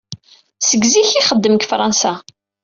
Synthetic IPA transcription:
səɡziçiχəd̪ːəmkfɾˤɑnsa

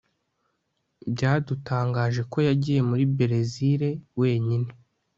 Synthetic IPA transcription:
bɟaːdutaːŋɡaːʒe̞ko̞jaɟiːje̞muɾibe̞ɾe̞ziɾe̞we̞ːɲine

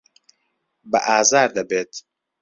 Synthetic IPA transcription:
bɐ̰ʔaːzaːɾd̪ɐbeːt̪

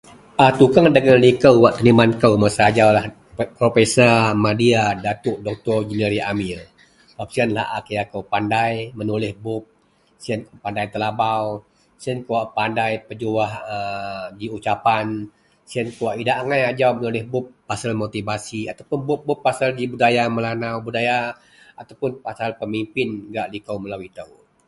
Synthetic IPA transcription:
ʔat̪ukaŋdəɡanlikəwwaʔt̪ənimankəwmasaad͡ʒawlah | pɾofesəmadiadat̪ʊʔdɔk̚t̪ɔrd͡ʒəniɾiʔamil | wap̚sianla̰ʔakəjakəwpandajmənulɪhbʊp̚ | siankpandajt̪əlabaw | siankəwaʔpandajpəd͡ʒuahədiut͡ʃapan | siankəwaʔidaʔŋajad͡ʒawmənulɪhbʊpːasalmot̪ibasiat̪awpʊnbʊp̚bʊpːasaldibudajaməlanawbudaja | at̪awpʊnpasalpəmimpɪnɡaʔlikawməlawit̪au

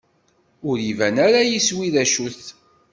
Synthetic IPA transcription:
ʊɾivænæɾajiswiðæʃulθ

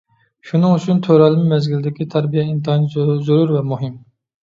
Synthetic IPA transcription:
ʃunɨŋyt͡ʃʰynt̪ʰøɾɛlˠɪmɪmɛzɡʲild̪ɪkʲit̪ʰɛɾbijɛint̪ɑnizuɾuɾvɛmuɦɪm

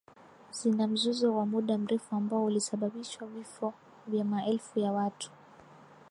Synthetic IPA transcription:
zinam̩zuzɔwamuɗam̩ɾɛfuambaɔulisaɓaɓiʃwavifɔ | vjamaʔɛlfujawatʰu̥

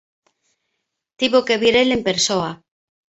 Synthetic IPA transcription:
t̪iβokeβiɾelempeɾsoa

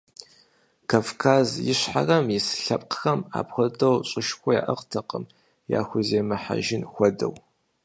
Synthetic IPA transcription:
kʰaːfkʰaːzjɪɕħa̰rɐmjɪsɬɐpʼqxɐma̰ːpxʷɔdɐwɕʼɪʃxʷɔja̰ːʔɐqtʰɐqəm | ja̰ːxʷʊzeːmɐħa̰ʒɪnxʷɔdɐ̰w

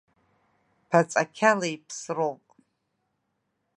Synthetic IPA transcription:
pʰat͡sʼakʲʰalajpʰsrowpʼ

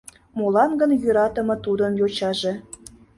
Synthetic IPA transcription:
molɑnɡə̆njyɾɑt̪ɤ̆mɤ̆t̪ud̪ɤ̆njot͡ɕɑʒĕ

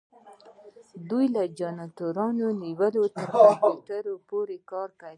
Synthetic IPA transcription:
d̪ujlad͡ʒɑnɑt̪oɾɑnoniwəlot̪əɾfafiʈəɾopoɾekɑɾkawi

